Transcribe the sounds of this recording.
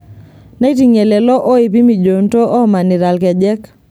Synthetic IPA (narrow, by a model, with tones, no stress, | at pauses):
na˦i˦ti˨ŋe˨lɛ˨lɔ˦ʔo˦i˨p̬i˦mi˨d͡ʒo˨n˦to˦ʔɔ˦ma˨ni˨ɾa˨lkɛ˨d͡ʒɛ˦k